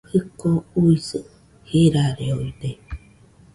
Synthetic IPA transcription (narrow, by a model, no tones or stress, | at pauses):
hɯkouisɨ | hiɾaɾeoide